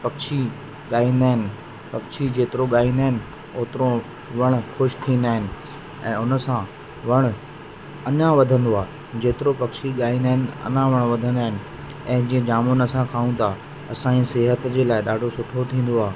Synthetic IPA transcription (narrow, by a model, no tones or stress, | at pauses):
pɐkʃʰi | ɠaːĩːnd̪aːɦɪnɪ̆ | pɐkʃʰid͡ʑeːt̪ɪɾoɠaːĩːnd̪aːɦɪnɪ | oːt̪ɪɾo | ʋɐɽ̃xʊʃt̪ʰĩːn̆d̪aːɦɪnɪ̆ | ɛ̃ːʊnəsã | ʋɐɽ̃ | ɐnãʋɐd̪ʱə̃nd̪oaː | d͡ʑeːt̪ɪɾopɐkʃiɠaːĩːnd̪aːɦɪnɪɐ̰nãʋɐɽ̃ʋɐd̪ʱə̃nd̪aːɦɪnɪ̆ | ɛ̃ːd͡ʑĩːẽd͡ʑaːmonɐsãkʰaːũt̪ʰa | ɐsãisɪɦət̪d͡ʑeːlaːɪɗaːɖʱosʊʈʰot̪ʰĩːn̆d̪oaː